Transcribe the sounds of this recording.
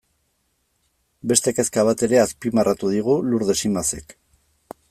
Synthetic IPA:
be̞st̪eke̞skaβ̞at̪e̞ɾe̞aspimarʔat̪uðiɣuluɾðe̞simase̞k

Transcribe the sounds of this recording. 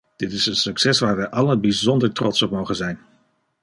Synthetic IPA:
d̥ɪtɪsənsɵksɛsʋaːɹʋɛjʔɑlənbizɔndəɹtrɔtsɔp̚mowχənzɛjn

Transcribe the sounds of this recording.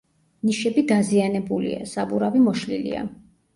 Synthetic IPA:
niʃɛbid̪azianɛbulḭa̰sabuɾavimɔʃlḭlḭa̰

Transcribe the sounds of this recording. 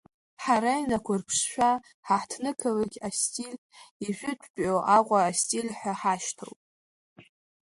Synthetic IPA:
ħaɾainakʷʰʊrpʰʂʃʷᶣa | ħaħtʰnɨkʰalaɡʲastʼil | iʒᶣʷʏtʷʰʼpʼoʔaqʷʼaːstʼilħʷᶣaħaʃtʰo̰wpʼ

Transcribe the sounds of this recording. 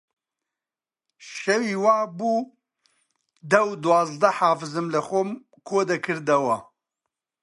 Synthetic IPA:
ʃɛwiːwaːbuː | d̪ɐwd̪uwaːzd̪ɐħaːfɨzɨmlɨxom | kʰoːd̪ɐkʰɨɾd̪ɐwɐ

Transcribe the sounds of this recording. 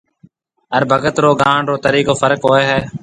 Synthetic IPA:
əɾbʱəɡət̪ɾoːɡãːɳɾoːt̪əɾiːkoːfəɾkɦoːeːɦɛː

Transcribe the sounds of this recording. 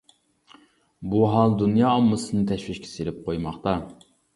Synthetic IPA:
buɦɑlˠd̪unjɑːmːɨsɨnɨt̪ʰɛʃʋiʃkʲʰi̥selɪp̚qʰojmɑχt̪ɑ

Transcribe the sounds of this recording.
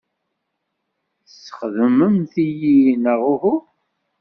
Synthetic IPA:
θsə̥χðəməmθijinəʁuhu

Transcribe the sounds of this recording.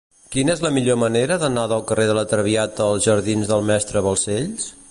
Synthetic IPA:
kinəezləmiʎoməneɾəðənaðəlˠkərʔeðələt̪ɾəβiat̪əːlˠzʒəɾðinzðəlˠmɛst̪ɾəβəlˠseʎs

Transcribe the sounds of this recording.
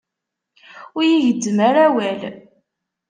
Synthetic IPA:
ʊɾjiʝədːməɾæwæl

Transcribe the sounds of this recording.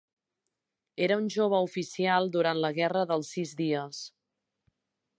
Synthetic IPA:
eɾəunʲʒoβ̞əufisialˠd̪uɾant̪ləɣɛrəðəlˠsːizðiəs

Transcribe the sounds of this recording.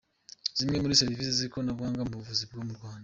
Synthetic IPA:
z̥imŋe̞muɾise̞ɾiviseziɾikonabɡwaːŋɡamuβuvuzib̚ɡoːmuɾɡwaːnda

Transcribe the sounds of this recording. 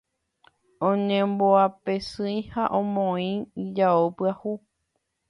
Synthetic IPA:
õɲẽmboapesɨ̃j̃haʔõmõĩid͡ʒaopɨahu

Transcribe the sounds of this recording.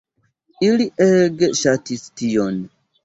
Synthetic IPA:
iliʔeɡeʃatistijon

